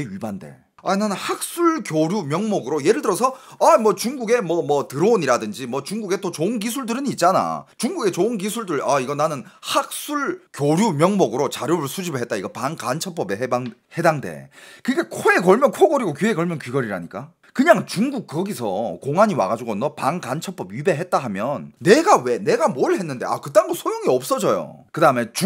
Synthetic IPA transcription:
eɥibande̞̰ | a̰inanɯnhak̚s͈ʰuɭkjoɾjumjʌŋmʌɡɯɾoje̞ɾɯɭdɯɾʌsʰʌamwʌt͡ɕuŋɡuɡe̞mʌmʌtɯɾʌoniɾadɯnd͡ʑimwʌt͡ɕuŋɡuɡe̞t͈ot͡ɕonɡisʰuɭdɯɾɯnit̚t͡ɕ͈ana̰t͡ɕuŋɡuɡe̞t͡ɕonɡisʰuɭdɯɭaiɡʌnanɯnhak̚s͈uɭkjoɾjumjʌŋmʌɡɯɾot͡ɕaɾjoɾɯɭsʰud͡ʑibɯɭɦe̞t̚t͈aiɡʌpankant͡ɕʰʌp͈ʌbe̞ɦebaŋhe̞daŋde̞̰kɯɡe̞kʰoe̞kʌɭmjʌnkʰoɡʌɾiɡokue̞kʌɭmjʌnkɥiɡʌɾiɾaɲik͈a | kɯɲaŋt͡ɕuŋɡuk̚k͈ʌɡisʰʌkoŋɦaɲiwa̰ɡad͡ʑuɡonʌpaŋkant͡ɕʰʌp͈ʌbɥibe̞ɦe̞t̚t͈aɦamjʌnːe̞ɡawe̞ne̞ɡamoɭhe̞nːɯnde̞a̰kɯt͈aŋdosʰojoŋiʌp̚s͈ʌd͡ʑʌjo̰kɯdaɯme̞t͡ɕ

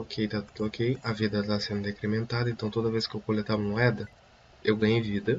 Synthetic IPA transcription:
okʰejt̪at̪ud̪okʰejɐvid̪ɐt̪asẽnd̪ʊd̪ekɾemẽnt̪ad̪ɐẽnt̪ɐ̃w̃t̪od̪ɐveskɪewkolet̪avɐmoɛd̪ɐ | ewɡɐ̃ɲejvid̪ɐ

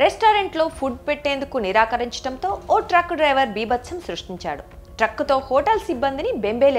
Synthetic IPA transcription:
ɾesʈaːɾeɳʈlo̞ːpʰuɖ̚peʈːe̞ːnd̪ukuniɾaːkɐɾiɲt͡ʃɐ̥ʈɐnt̪o̞ːoːʈɾɐkːɖɾɐjʋɐɾbiːbɐt̪ːsʰɐmsɾuʂʈiɲt͡ʃa̰ːɽuʈɾɐkːut̪o̞ːhoːʈɐlsibːɐnd̪inibe̞mbeːle

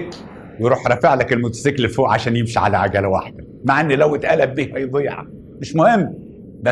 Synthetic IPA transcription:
k | wejɾˤuːħɾˤɑfeʕlækelmʊt̪æ̥seklefoːʔʕaʃæːnjemʃiʕa̰læʕaɡæːlæwa̰ħd̪æ | maʕʔenːlæwet̪ʔælæbːiːhæjb̪ˤejʕa̰ | meʃmohemː | bæ

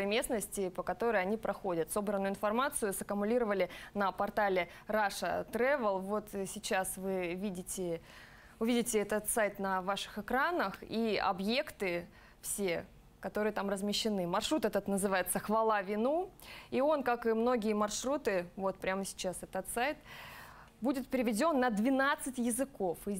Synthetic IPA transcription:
əjmʲe̞snəsʲtʲɪpəkɐt̪o̞ɾəjɐnʲipɾʔɐxo̞dʲət̪so̞bɾənːʊɪnfɐrmat̪sɨjʊsɐkəmʊlʲiɾəvəlʲɪnəpɐrt̪alʲɪ | ɾaʂə̰t̪ɾɛvəlˠvo̞t̪sʲɪt͡ɕasvɨvʲidʲɪtʲɪ | ʊvʲidʲɪtʲɪɛt̪ət̪sajt̪nɐvaʂɨ̥xɨkɾanəxiɐ̰bje̞kt̪ɨ | fsʲe | kɐt̪o̞ɾɨjət̪amrəzmʲɪɕːɪnɨmɐrʂɾut̪ɛt̪ət̪nəzɨvajɪt̪səxvɐlˠavʲɪnuio̞nkakɨmno̞ɡʲɪjəmɐrʂɾut̪ɨvo̞t̪̚pɾʲaməsʲɪ̥t͡ɕasɛt̪ət̪sajt̪ | budʲɪt̪̚pʲɪɾʲɪvʲɪdʲo̞nːəd̪vʲɪnat̪sɨtʲjɪzɨko̞fɨ

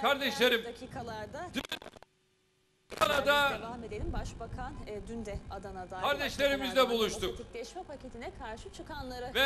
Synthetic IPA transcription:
kʰaɾd̪ɛʃlʲe̞ɾimakʰiːkʰalˠaɾd̪ad̪ | anad̪avamed̪elʲimbaʃbakʰanːd̪ynd̪ɛad̪anad̪akʰaɾd̪ɛʃlʲe̞ɾimizd̪ɛbulˠuʃt̪ukt̪iklʲɛʃmɛpʰacet̪ʰinɛkʰaɾʃɯt͡ʃʰɯkanlˠaɾɯvɛ

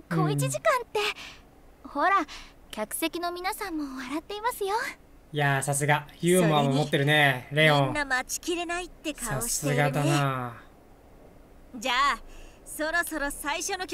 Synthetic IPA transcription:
koːit͡ɕiʑikãnt̪ːe̞ | ho̞ɾa | kʲakɯ̟̥se̞kʲino̞mʲinasãmːo̞βaɾat̪ːe̞imasɨjo̞ | jasas̬ɨɡaçɯːmamomot̪ːe̞ɾɯ̟ne̞ɾe̞õnːamat͡ɕi̥kʲiɾe̞nait̪ːe̞kaaoeɨɡad̪ana | d͡ʑaː | so̞ɾo̞so̞ɾo̞saiɕo̞no̞kʲ

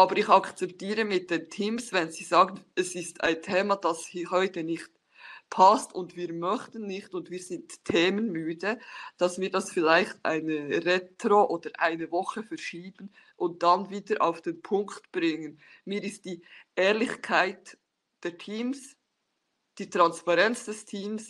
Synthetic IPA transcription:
ʔɑːbəɾɪçɑkt͡sɛp̚tiːɾəmɪt̚d̥eːntʰiːmsvɛnziːzɑːɡən̩ɛsɪsta̰ɪntʰeːmad̥ɑshiːɦɔʏtənɪxt | pʰastʊndviːɾmœçtən̩nɪxtʊndviːɾz̥ɪntʰːeːmənmyːdəd̥ɑsviːdɑsfɪlaɪçta̰ɪnəʁetɾoʔoːd̥əɾʔa̰ɪnəvɔχəfɛɾʃiːb̥ən̩ | ʔʊnt̚d̥anviːdəɾʔa̰ʊfd̥eːnpʰʊŋktb̥ɾɪŋən | miːɾɪst̚d̥iːʔɛːɾlɪçkʰaɪt | d̥ɛːtʰiːms | d̥iːtʁ̥anspaʁɛnt͡sd̥ɛstʰiːms

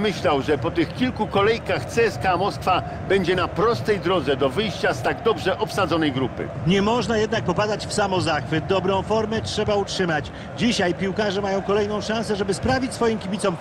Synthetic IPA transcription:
mɘɕlawʐɛpɔt̪ɘxkʲilkukɔlɛjkaxt̪sɛɛskamɔskfa | bɛɲd͡ʑɛnapɾɔst̪ɛjd̪ɾɔd̪zɛd̪ɔvɘjɕt͡ɕast̪aɡd̪ɔbʐɛʔɔpsad̪zɔnɛjɡɾupɘ̰ɲɛmɔʐnajɛd̪̚nak̚pɔpad̪at͡ɕfsamɔzaxfɘd̪ɔbɾɔ̃w̃fɔɾmɛtʂɛbautʂɘmat͡ɕ | d͡ʑiɕajpʲiwkaʐɛmajɔ̃w̃kɔlɛjnɔ̃w̃ʂãñsɛʐɛbɘspɾavʲit͡ɕʲsfɔjimkʲibʲit̪ɔm

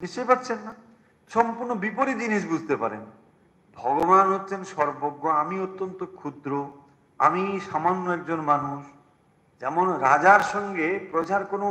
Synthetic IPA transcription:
niʃt͡ɕojpatːt͡ɕʰenːa | ʃɔmpuɾnobipoɾid͡ʑiniʃ̬bud͡ʑʱt̪epa̰ɾḛn | bʱɔɡobanɦotːɕʰenʃɔɾboɡːoamiot̪ːont̪okʰud̪ɾo | a̰miʃamanːoɛk̚d͡ʑonmanuʃ | d͡ʑɛmonɾad͡ʑaɾʃɔŋɡepɾod͡ʑaɾkono

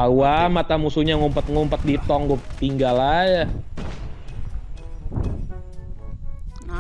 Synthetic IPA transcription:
awamat̪amusuɲaŋumpət̪̚ŋumpət̪̚dit̪ɔŋɡʊt̪iŋɡalaja

